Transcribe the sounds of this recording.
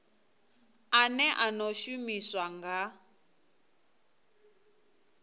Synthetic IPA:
anɛʔanoʃumiswaŋɡa

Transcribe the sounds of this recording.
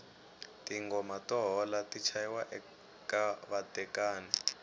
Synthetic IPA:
tiŋɡɔmatɔɦɔlatit͡ʃʰajiwaʔɛ | kaβatʼɛkaːni

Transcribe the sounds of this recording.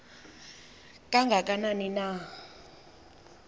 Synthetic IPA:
kʼaŋɡʱakʼananina

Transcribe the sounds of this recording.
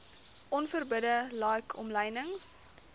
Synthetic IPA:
ʔɔnfərbədəlɑːkʰɔmləjnəŋs

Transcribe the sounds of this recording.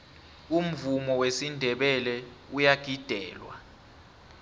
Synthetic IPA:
um̩vumɔwesindʱɛɓɛlɛ | ujaɡ̥ʱid̥ʱɛ̰ːlwa̰

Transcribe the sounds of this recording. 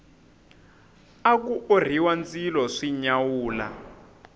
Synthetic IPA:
ak̬uʔor̤iwand͡zilɔʂiɲawuːla̰

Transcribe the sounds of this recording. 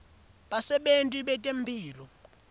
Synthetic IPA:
ɓasɛɓentʼiɓɛtʼembʱiːlɔ

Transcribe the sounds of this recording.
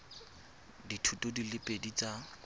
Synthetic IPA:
ditʰutʼodilɪpʼedit͡sʼa

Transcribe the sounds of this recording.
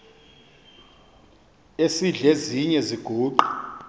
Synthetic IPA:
esiɮeziɲɛziɡ̥ʱuːǃu

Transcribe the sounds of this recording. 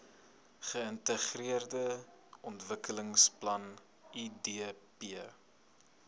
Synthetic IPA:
χəəntəχriərdə | ɔntvəkələŋsplɐn | idepiə

